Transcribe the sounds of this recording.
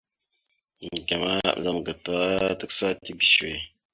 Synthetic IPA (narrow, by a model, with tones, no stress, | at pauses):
ŋ˨ɡa˨ma˦˨za˦m˨ɡə˨ta˦tə˦ksa˦ti˦bi˨ʃwe˨